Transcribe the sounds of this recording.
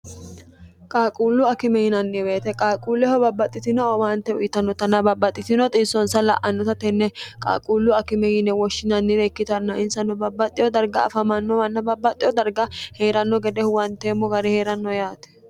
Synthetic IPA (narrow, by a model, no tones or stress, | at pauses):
kʼaːkʼuːlːʊɐkɪmɛjɪnɐnːɪbe̞ːt̪ɛkʼaːkʼuːlːɛhɔbɐbːɐt̪ʼːɪt̪ɪnɔɔwant̪ːɛʊ̰jɪt̪ːɐnːɔt̪ɐnːɐbɐbːɐt̪ʼːɪt̪ɪnɔt̪ʼɪːsːɔnsɐlɐ̰ʔɐnːɔt̪ɐt̪ɛnːɛkʼa̰ːkʼuːlːʊɐkɪmɛjɪnːɛwɔʃːɪnɐnːɪbeːkːɪt̪ɐnːɐʔɪnsɐnːɔbɐbːɐt̪ʼːɪjɔd̪ɐɾɡɐ̰ːfɐmɐnːɔwɐnːɐbɐbːɐt̪ʼːɪjɔd̪ɐɾɡɐheːɾɐnːɔɡɛd̪ɛhʊwɐnt̪eːmːɔɡɐɾɛheːɾɐnːɔjaːt̪ɛ̥